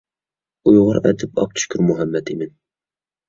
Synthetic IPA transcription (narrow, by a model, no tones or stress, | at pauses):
ujʁʊɾɛ̰d̪ɪpɑ̰p̚t̪ʰu̥ʃkʲʰyɾmuɦɛmːɛt̪ʰɪmɪn